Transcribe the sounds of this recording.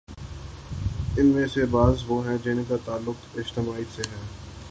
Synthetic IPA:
ɪnmẽsebaːzʋoɦɛ̃d͡ʒɪnkat̪aːlːʊkɪd͡ʒt̪ɪmaːiseɦɛ̃ː

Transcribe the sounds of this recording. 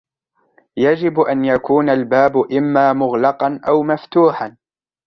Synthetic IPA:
jad͡ʒɪbʔanjakuːnalbaːbʔɪmːaːmʊɣlɑqɑnʔawmaft̪uːħan

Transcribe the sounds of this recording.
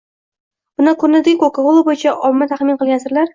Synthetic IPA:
bʊnɪkʰʊɾnɪd̪ɪkokʰaʁolˠabojɪt͡ʃʰaʔɒmːat̪ʰaχmɪnqɨlˠɡʲansɪɾlaɾ

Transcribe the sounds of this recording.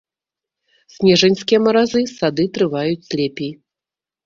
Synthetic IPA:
sʲnʲɛʐɛnʲskʲijɛmɐɾazɨsad̪ɨt̪ɾɨvajut͡sʲsʲlʲɛpʲij

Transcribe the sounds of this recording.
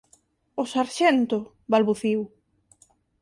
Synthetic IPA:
ʊsaɾʃɛnt̪ʊ | βalβuθiw

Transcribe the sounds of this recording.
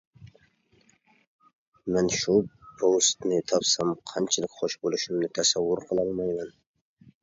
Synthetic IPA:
mɛnʃʊpʰost̪nɪt̪ʰɒpsamqʰɑnt͡ʃʰɪlˠɪkʲχʊʃbolˠɪʃɪmnɪt̪ʰasawːʊɾqʰɨlˠɒlˠmajman

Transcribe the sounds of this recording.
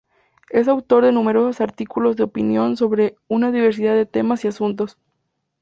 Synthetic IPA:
e̞s̬awt̪o̞ɾðe̞nũme̞ɾo̞sosaɾt̪ikulo̞zðeopinjo̞nso̞βɾe̞unaðiβe̞ɾs̬iðaðe̞t̪e̞masiasunt̪̬o̞s

